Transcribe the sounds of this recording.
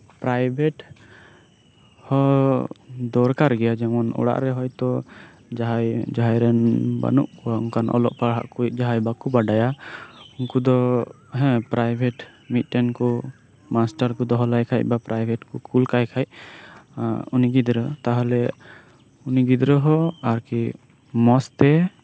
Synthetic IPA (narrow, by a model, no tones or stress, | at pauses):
pɾajbʱɛʈ | hɔ | d̪ɔɾkaɾɡɛjad͡ʒɛmɔnɔ̰ɽa̰ʔɾɛɦɔjt̪ɔ | d͡ʒaɦajd͡ʒaɦajɾɛnba̰nṵʔkɔaṵŋkanʔɔ̰lɔ̰ʔpaɦa̰ʔkuit̚ˀd͡ʒaɦajbakubaɖajaunkud̪ɔ | ɦɛ̃pɾajbʱɛʈmit̪̚ːɛnkɔ | masʈaɾkɔd̪ɔɦɔlajkʰaj̚bapɾajbʱɛʈkukʰulkajkʰaj̚ | uniɡid̪ɾət̪aɦɔlɛ | uniɡid̪ɾəɦɔaɾki | mɔst̪ɛ